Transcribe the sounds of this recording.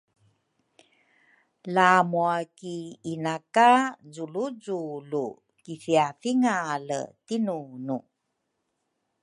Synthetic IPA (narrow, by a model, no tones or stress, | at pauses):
lamuakiːnakazuluzulu | kifiafiŋalə̰tinunu